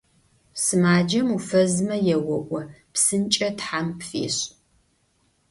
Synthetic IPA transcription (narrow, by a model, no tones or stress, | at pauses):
sɨmaːd͡ʒɐmufɐzmɐjɛwɔʔʷɔpsɨnt͡ʃʼɐtħampfḛːɕ